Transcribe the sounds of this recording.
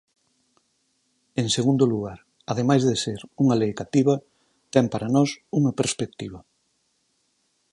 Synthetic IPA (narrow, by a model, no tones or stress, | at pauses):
eŋseɣund̪ʊluɣaɾ | ɐðemajzðeseɾuŋalejkat̪iβɐ | t̪ɛmpaɾanɔsuŋɐpeɾspek̚t̪iβɐ